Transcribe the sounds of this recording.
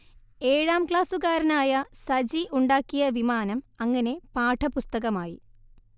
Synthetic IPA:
e̞ːɻaːmkɭaːsuɣaːɾɐnaːjɐsɐd͡ʑiʔuɳɖaːkːijɐʋimaːnɐmɐŋːɐne̞paːʈʰɐpust̪ɐɣɐmaːjḭ

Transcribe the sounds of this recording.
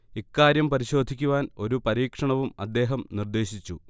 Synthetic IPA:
ikːaːɾjɐmpɐɾiɕo̞ːd̪ʱikʲːuʋaːno̞ɾupɐɾiːkʂɐɳɐʋumɐ̰d̪ːe̞ːɦɐmnird̪e̞ːɕit͡ɕːu

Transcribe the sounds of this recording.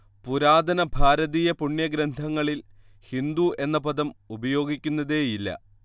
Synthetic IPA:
puɾaːd̪ɐnɐbʱaːɾɐðijɐpuɳːjɐɡɾɐnd̪ʱɐŋːɐɭil | hind̪ue̞nːɐpɐd̪ɐmubɐjo̞ːɡikʲːunːɐðeːjilːɐ̰

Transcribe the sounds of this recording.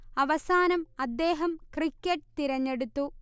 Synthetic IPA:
ɐʋɐsaːnɐmɐd̪ːe̞ːɦɐmkrikʲːɐʈːt̪iɾɐɲːe̞ɽut̪ːu

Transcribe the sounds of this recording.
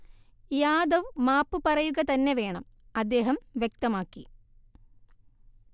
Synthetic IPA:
jaːd̪ɐʋmaːpːupɐrɐjuɣɐt̪ɐnːe̞ʋe̞ːɳɐm | ɐd̪ːe̞ːɦɐmʋjek̚t̪ɐmaːkːi

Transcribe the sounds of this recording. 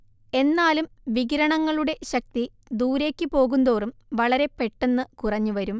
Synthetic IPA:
e̞nːaːlumʋiɡɾɐɳɐŋːɐɭuɽe̞ɕɐk̚t̪i | d̪uːɾe̞ːkʲːɨpo̞ːɣund̪o̞ːrumʋɐɭɐɾe̞pe̞ʈːe̞nːɨkurɐɲːuʋɐɾum

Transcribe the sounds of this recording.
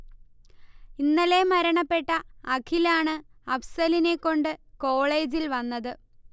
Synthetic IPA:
inːɐle̞mɐɾɐɳɐpːe̞ʈːɐːkʰilaːɳɨɐpsɐline̞kːo̞ɳɖɨko̞ːɭe̞ːd͡ʑilʋɐnːɐðɨ

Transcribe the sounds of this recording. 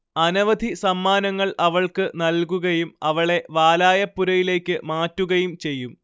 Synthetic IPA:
ɐnɐʋɐd̪ʱisɐmːaːnɐŋːɐɭɐʋɐɭkɨnɐlkuɣɐjumɐʋɐɭe̞ʋaːlaːjɐpːuɾɐjile̞ːkʲːɨmaːtːuɣɐjumt͡ɕe̞jːum

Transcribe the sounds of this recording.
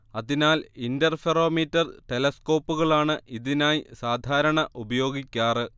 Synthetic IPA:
ɐðinaːlindɐrfero̞ːmitːɐrʈe̞lɐsko̞ːpːuɣɐɭaːɳɨʔiðinaːjsaːd̪ʱaːɾɐɳɐʔubɐjo̞ːɡikʲːaːrɨ

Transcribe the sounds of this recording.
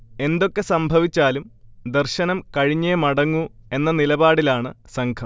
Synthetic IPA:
e̞nd̪o̞kːe̞sɐmbʱɐʋit͡ɕːaːlumd̪ɐrɕɐnɐmkɐɻiɲːeːmɐɽɐŋːue̞nːɐnilɐbaːɽilaːɳɨsɐŋkʰɐm

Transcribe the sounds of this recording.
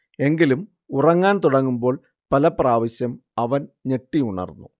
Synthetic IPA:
e̞ŋɡilum | urɐŋːaːnt̪uɽɐŋːumbo̞ːɭ | pɐlɐpraːʋɐɕjɐmɐʋɐnne̞ʈːiuɳɐ̰rnːṵ

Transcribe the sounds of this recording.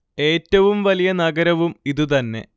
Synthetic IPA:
e̞ːtːɐʋumʋɐlijɐnɐɡɐɾɐʋumiðut̪̬ɐnːe̞̰

